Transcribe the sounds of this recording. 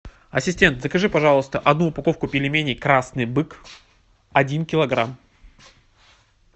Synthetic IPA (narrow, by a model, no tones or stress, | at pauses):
ɐsʲɪsʲtʲe̞nt̪zəkɐʐɨpɐʐɑlˠəst̪əʔɐd̪nuːpɐko̞fkʊpʲɪlʲɪmʲenʲɪjkɾasnɨjbɨk | ɐdʲinkʲɪlˠɐɡɾam